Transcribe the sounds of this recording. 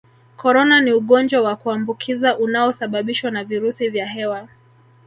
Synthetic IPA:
kʰɔɾɔnaniuɠɔnd͡ʒwawakuambukʰizaʔunaɔsaɓaɓiʃwanaviɾusivjaɦɛwa

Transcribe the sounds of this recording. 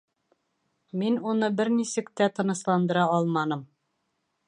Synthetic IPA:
minunɤbɘɾnisɘ̆kt̪æt̪ɤ̆nɤ̆ʃlˠɑnd̪ɤ̆ɾɑɒlˠmɑnɤm

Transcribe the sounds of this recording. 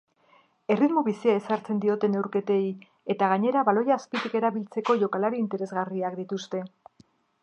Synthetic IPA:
e̞rit̪moβisiae̞saɾt͡se̞nd̪io̞t̪e̞ne̞wɾke̞t̪e̞j | e̞t̪aɣ̞aɲe̞ɾaβalo̞jaːspit̪ike̞ɾaβilt͡se̞ko̞ʝo̞kalaɾiːnt̪e̞ɾe̞zɣariakd̪it̪ust̪e̞

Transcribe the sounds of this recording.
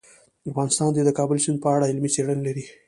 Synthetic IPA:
afɣɑnɪst̪ɑnd̪ed̪əkɑbəlt͡ʃinpəaɽaɪlmit͡seɽənlaɾi

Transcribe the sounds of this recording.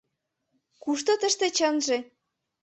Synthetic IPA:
kuʃt̪ot̪əʃt̪ĕt͡ɕənʒĕ

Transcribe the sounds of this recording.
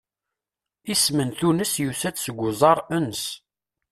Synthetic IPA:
ismənθunəsjusæt͡ssəɡʷːʊzˤɑɾˤənəs

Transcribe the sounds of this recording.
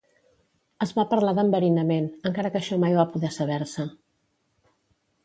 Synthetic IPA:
əzβapəɾlaðəmbəɾinəmenəŋkaɾəkəʃɔmajβapuðɛsəβ̞ɛɾsə

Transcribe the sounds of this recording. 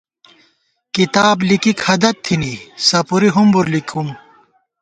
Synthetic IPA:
kit̪aːblikikhɐd̪ɐt̪ʰːinisɐpuɾiɦumbuɾlikʰum

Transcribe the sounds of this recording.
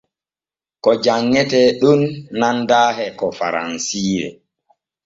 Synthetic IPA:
kɔd͡ʒaŋːɛtɛɗunːandaːɦɛkɔfa̰ɾa̰nsiːɾɛ̰

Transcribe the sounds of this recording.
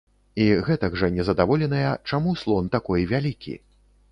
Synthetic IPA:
iɣɛt̪ɐɡʐɐnʲɛzɐd̪avɔlʲɛnɐjɐt͡ʂamuslˠɔnt̪akɔjvʲalʲikʲḭ

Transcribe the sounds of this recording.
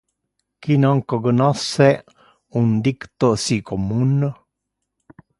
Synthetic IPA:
kinaŋkəɡənasɛʔ | und̪ikt̪osikʰomunə

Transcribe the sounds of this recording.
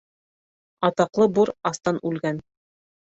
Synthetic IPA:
ɑt̪ɑqlˠɤbuɾɑst̪ɑnʔʉlɡæn

